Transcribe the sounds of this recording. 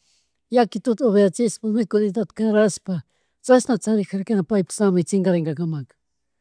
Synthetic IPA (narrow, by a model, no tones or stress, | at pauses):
jakɪt̪ʊt̪oβeɾat͡sɪspamekʊnɪt̪at̪kaɾaspa | t͡sasmat͡saɾɪxaɾkenapajpḁsamɪt͡sɪŋɡaɾeŋɡakamak